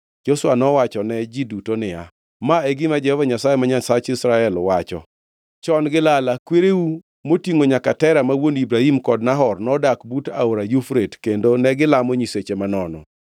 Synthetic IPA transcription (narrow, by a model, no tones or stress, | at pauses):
d͡ʒoswanɔwat͡ʃɔnɛd͡ʒidutonɪa̰ | maeɡɪmad͡ʒɛhɔvaɲasajemaɲasat͡ʃɪsɾaɛlwat͡ʃɔ̰ | t͡ʃɔnɡɪlalakweɾeu | motiŋoɲakatɛɾamawonibɾahimkɔdnaɦɔrnɔdakbutaoɾajufɾetkendonɛɡɪlamɔɲiset͡ʃemanɔnɔ̰